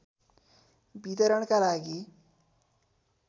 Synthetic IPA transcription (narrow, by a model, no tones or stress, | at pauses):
bit̪ʌɾʌɳkalaɡi